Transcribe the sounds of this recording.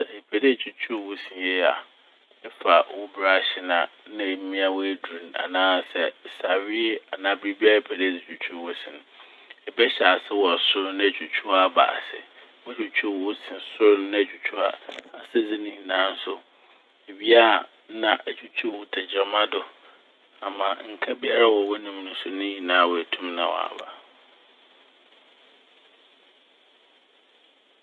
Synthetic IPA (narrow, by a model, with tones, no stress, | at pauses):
e˨pʰæ˨de˦˨t͡ɕʰᶣu˦t͡ɕʰu˦˨wʊ˦sĩ˨je˦a̰˨ | ɛ˦fa˨wʊ˦bɾa˦˨ɕɪ˦nã̰˨nã˦˨˦mĩ˦a˦we˦du˨n˨a̰˨nãː˦˨sɛ˦sa˨ɥi˦e˦a˨nãː˨˦˨bɾi˦bi˦a˦e˨pʰɛ˨dɪ˦˨d͡zi˨t͡ɕʰᶣu˨t͡ɕʰu˦˨wɔ˦sɪ̃˨nʊ̃˨ | ɛ˨bɛ˦ɕa˨sɪ˦wɔ˨sʊ˦ɾnã˦˨t͡ɕʰᶣu˨t͡ɕʰu˦a˦˨ba̰ː˨sɪ̰˨ | wɛ˦d͡ʑʰᶣu˨t͡ɕʰu˦˨wʊ˦sĩ˨sʊ˦ɾnã˦˨d͡ʑᶣu˨t͡ɕʰu˦a̰˨a˨sɛ˦d͡zɪ˦nɪ̃˦ɲĩ˨nãː˨˦n̩˦sʊ˦ | e˨bi˦a˦˨ | nã˨ʔæ˨d͡ʑᶣu˦t͡ɕʰu˦˨wʊ˦tʰɛ˨d͡ʑa˨mã˦dʊ˨ | a˨mã˨ŋ̩˨kʰa˦bi˦a˦ɾa˦wɔ˨wɛ˦nʊ̃˨m˦nʊ̃˨sʊ˦nʊ̃˦jĩ˨nãː˨˦wɔ˨æ˨tʰũ˦mnã̰˨wɔ̰˨a̰˨ba̰˨